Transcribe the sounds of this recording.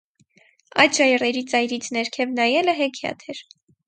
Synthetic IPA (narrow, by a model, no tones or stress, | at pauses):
ɑjt̪ʃɑjrɛɾit͡sɑjɾit͡sʰnɛɾkʰɛvnɑjɛləɦɛkʰiɑ̰t̪ʰɛɾ